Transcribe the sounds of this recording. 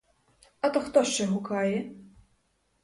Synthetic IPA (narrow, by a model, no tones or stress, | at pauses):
ɐt̪ɔxt̪ɔʃt͡ʃɛɦukajɛ